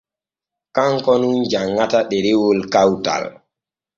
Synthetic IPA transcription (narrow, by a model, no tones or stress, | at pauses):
kaŋkɔnund͡ʒaŋːataɗɛɾewolkawta̰l